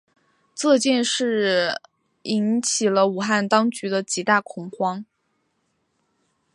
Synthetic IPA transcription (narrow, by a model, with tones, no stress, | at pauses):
t͡sɤ˥˧t͡ɕjɛ˥˧nʂɻ̩˥˩ | i˧˥nt͡ɕʰi˨˩lə˦u˨˩xa˥˩nt̪ɑ˥ŋt͡ɕy˧˥d̪ə˧t͡ɕi˧˥t̪a˥˩kʰʊ˧˥ŋxwɑ˥ŋ